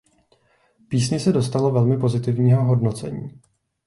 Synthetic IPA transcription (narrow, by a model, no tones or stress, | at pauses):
piːsɲɪsɛdo̞st̪alo̞vɛlmɪpo̞zɪt̪ɪvɲiːɦo̞ɦo̞dno̞t͡sɛ̰ɲiː